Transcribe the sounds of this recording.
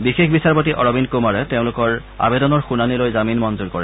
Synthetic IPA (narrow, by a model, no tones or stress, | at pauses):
bixexbisaɹpotiʔɔɹɔbinkumaɹɛteʊ̃lʊkɔɹ | a̰bedɔnɔɹxunanilojzaminmɔnzuɹkɔɹɛ